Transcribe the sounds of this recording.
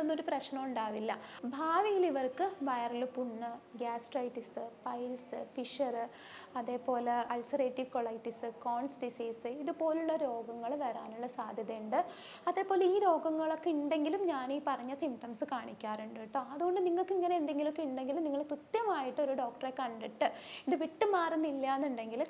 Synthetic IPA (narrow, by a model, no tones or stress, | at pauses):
onːoɾuprɐɕnɐmuɳɖaːʋilːɐbʱaːʋiŋɡiliʋɐrkɨʋɐjɐrilpuɳːɨɡaːsʈrɐjʈːisɨpɐjlsɨfiʂɐrɨ | ɐðe̞ːpo̞ːleɐlsɐreːʈːiʋkwɐɭɐjʈːisɨkoːɳsɖisiːsɨiðupo̞ːluɭːɐɾo̞ːɡɐŋːɐɭʋɐɾaːnuɭːɐsaːd̪ʱjɐðɐjuɳɖɨ | ɐðe̞ːpo̞ːleiːɾo̞ːɡɐŋːɐɭokːiɳɖe̞ŋɡilumɲaːniːpɐrɐɲːɐsimpʈɐmsɨkaːɳikʲːaːɾuɳɖɨiʈːoɐðuɣo̞ɳɖɨniŋːɐɭkːiŋːɐneend̪e̞ŋɡilokːeiɳɖe̞ŋɡilumniŋːɐɭkrɨt̪jɐmaːjiʈːo̞ɾuɖo̞ːk̚ʈɐrekɐɳɖiʈːɨind̪ɨʋiʈːɨmaːrunːilːaːnːuɳɖe̞ŋɡil